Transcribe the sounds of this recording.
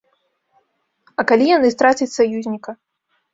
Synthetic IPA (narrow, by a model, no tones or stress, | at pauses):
ɐkalʲijanɨst̪ɾat͡sʲɐt͡sʲsajuzʲnʲikɐ